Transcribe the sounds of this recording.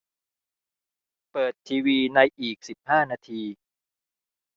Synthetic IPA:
pɤː˨˩t̪ʰːiː˧wiː˧na˧jʔiː˨˩k̚si˨˩p̚haː˥˩naː˧t̪ʰiː˧

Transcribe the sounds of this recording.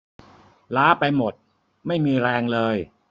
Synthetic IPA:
laː˦˥pa˧jmo˨˩t̪̚ | ma˥˩jmiː˧ɾɛː˧ŋlɤː˧j

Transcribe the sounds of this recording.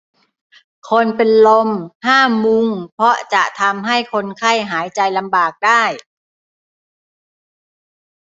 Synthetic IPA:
kʰo˧npe˧nlo˧mhʰaː˥˩mu˧ŋpʰɔ˦˥t͡ɕa˨˩ʔt̪ʰa˧mɦa˥˩jkʰo˧nkʰa˥˩jɦaː˩˦jt͡ɕa˧jla˧mbaː˨˩k̚daː˥˩j

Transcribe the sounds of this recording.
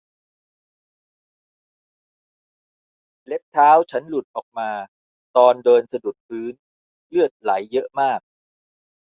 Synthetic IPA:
le˦˥p̚t̪ʰaː˦˥wt͡ɕʰa˦˥nlu˨˩t̪̚ʔɔː˨˩k̚maː˧ | t̪ɔː˧ndɤː˧nsa˧du˨˩t̪̚pʰɯː˦˥n | lɯ˥˩ət̪̚la˩˦jːɤ˦˥ʔmaː˥˩k̚

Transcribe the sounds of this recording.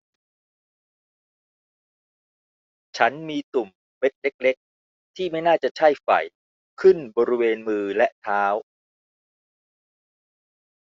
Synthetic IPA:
t͡ɕʰa˦˥nmiː˧t̪u˨˩mːe˦˥t̪̚le˦˥k̚le˦˥k̚ | t̪ʰiː˥˩ma˥˩jnaː˥˩t͡ɕa˨˩t͡ɕʰa˥˩jfa̰˨˩j | kʰɯ˥˩nbɔː˧ɾi˦˥weː˧nmɯː˧lɛ˦˥ʔt̪ʰaː˦˥w

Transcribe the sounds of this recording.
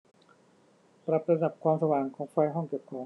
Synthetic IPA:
pɾa˨˩p̚ɾa˧da˨˩p̚kʰwaː˧msa˧waː˨˩ŋkʰɔː˩˦ŋfa˧jɦɔ˥˩ŋki˨˩wkʰɔː˩˦ŋ

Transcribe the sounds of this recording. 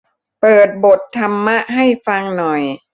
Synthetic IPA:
pɤː˨˩t̪̚bo˨˩t̪ʰːa˧mːa˦˥ʔɦa˥˩jfa˧ŋnɔ˨˩j

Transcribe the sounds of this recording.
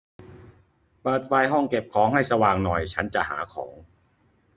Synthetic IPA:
pɤː˨˩t̪̚fa˧jɦɔ˥˩ŋke˨˩p̚kʰɔː˩˦ŋɦa˥˩jsa˧waː˨˩ŋnɔ˨˩jt͡ɕʰa˦˥nt͡ɕa̰˨˩ha̰ː˩˦kʰɔ̰ː˩˦ŋ

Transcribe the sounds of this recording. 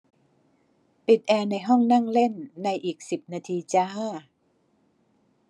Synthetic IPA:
pi˨˩t̪̚ʔɛː˧na˧jɦɔ˥˩ŋna˥˩ŋle˥˩nːa˧jʔiː˨˩k̚si˨˩p̚naː˧t̪ʰiː˧t͡ɕaː˥

